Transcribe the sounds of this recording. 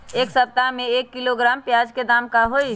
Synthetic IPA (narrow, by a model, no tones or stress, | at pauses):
eːksəp̚t̪amẽeːkːiloɡɾaːmpjaːd͡ʒked̪aːmkaɦoi